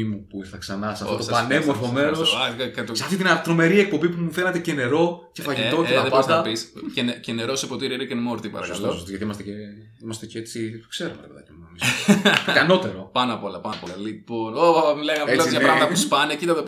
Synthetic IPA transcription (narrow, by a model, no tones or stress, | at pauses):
imupuiɾθɐksɐnɐsɐft̪ot̪opɐnemoɾfo̞me̞ɾosɐkɐt̪oseɐft̪it̪inɐt̪ɾo̞me̞ɾiek̚po̞mbipumufenɐt̪ecene̞ɾo̞ce̞fɐʝit̪ocet̪ɐðpɐnsd̪ɐpiscenceneɾo̞sepot̪iɾiɐɾɐcenmo̞ɾt̪ipɐ̰ɾɐ̰kɐslost̪izʝɐt̪iimɐst̪ece | imɐst̪eceet͡sit̪okseɾomɐt̪ɐpeðɐ̰cimunomiz | ɐno̞t̪e̞ɾopɐnɐpo̞lɐpɐnɐpo̞lɐliponoɐmileɣɐeizʝɐpɾɐɣmɐt̪ɐpuspɐnecit̪ɐt̪op